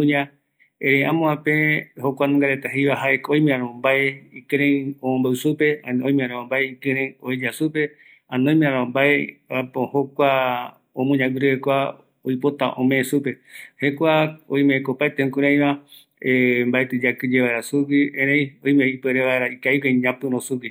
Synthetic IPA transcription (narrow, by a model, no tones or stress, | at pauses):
ũɲã | ẽɾẽjãmõãpẽhokʷanũŋɡaɾet̪aɦejβaɦaeoj̃mẽãɾõmbaeikɨɾẽĩomõmbaɨsupe̞anõĩmẽãɾããmbaeikɨ̃ɾ̃ẽĩoid͡ʒasupe̞ | ãnõj̃mẽãɾãmbaeapõhokʷa | õmũɲãɡuɾɨhekʷa | ojpot̪a̰ʔõmẽːsupe̞hekʷaõj̃mẽẽkopaet̪eũkuɾãj̃βã | embaet̪ɨd͡ʒakɨd͡ʒeβaeɾasuwiẽɾej̃ojmeipeɾeβaeɾaikaikẽɲãpɨɾõsuwi